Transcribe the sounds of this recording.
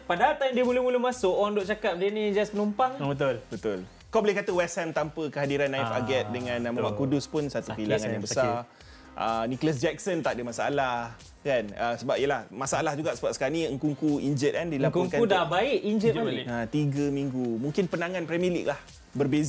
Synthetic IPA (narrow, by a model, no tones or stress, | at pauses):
padaat̪amdiəmulʊmulʊhmasʊkoaŋdoʔt͡ʃakap̚diənid͡ʒaspənumpaŋbət̪ʊlbət̪ʊl | kawbolɛhkat̪əwɛsɛmt̪ampəkəɦadiɾanːajfa̰ɡɛt̪̚dəŋãnːaməwaʔkudʊspʊnsat̪ufilaŋanjaŋbəsar | ʔənikləs̬d͡ʒɛk̚sənt̪aʔ̚dəmasaa̰lah | kanəsəbap̚jəlahmasaalahd͡ʒuɡaʔsəbap̚sə̥kaniəŋkuŋkuiɲd͡ʒət̪̚kandilapkɔŋkaudabaɪʔiɲd͡ʒət̪at̪iɡəmiŋɡumuŋkɪnpənaŋãnpɾɛmilḭk̚lah | bərbez